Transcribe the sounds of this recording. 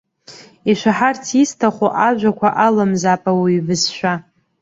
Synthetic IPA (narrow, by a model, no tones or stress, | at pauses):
iʃʷaħartʰistʰaχʷoʔaʒʷakʷʰaʔalɨmzapʼawiːvɨzʃʷᶣa